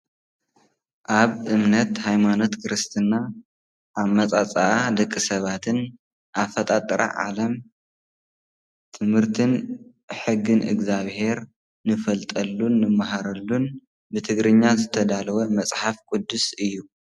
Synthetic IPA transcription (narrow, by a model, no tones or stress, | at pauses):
ʔaβɨmnɐt̪hajmano̞t̪kʰɾɨst̪ʰɨnːa | ʔːβmɐt͡sʼat͡sʼaʔad̪ɐkʼːisɐβat̪ʰɨn | ʔafɐt̪ʼat̪ʼːɾa̰ʕa̰lɐm | t̪ʰɨmhɨɾt̪ʰɨn | ħɨɡːɨnʔɨ̰ɡzaβhe̞ɾ | nɨfɐlt̪ʼɐlːunːɨmːaɦaɾɐlːun | bɨt̪ʰɨɡɾɨɲːazɨt̪ʰɐd̪alɐwɐmɐt͡sʼħafkʼud̪ːusɨjːu